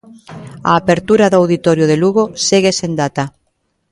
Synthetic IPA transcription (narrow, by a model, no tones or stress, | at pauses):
a̰ːpeɾt̪uɾaðoawðit̪ɔɾjʊðeluɣoseɣesend̪at̪a